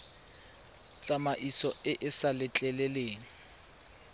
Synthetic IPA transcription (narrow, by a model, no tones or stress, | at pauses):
t͡sʼamaʔisɔɪʔɪsalɪt͡ɬʼɛlɛleːŋ̩